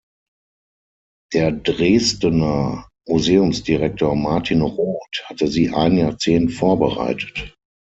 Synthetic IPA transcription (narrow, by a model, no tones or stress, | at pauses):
d̥eːɐdʁeːstənɐ | muzeːʊmsd̥iʁɛk̚toːɐmaɐtʰinʁoːthatəziːʔa̰ɪnənjaɐt͡seːntfoːɐbəʁa̰ɪtʰə̥t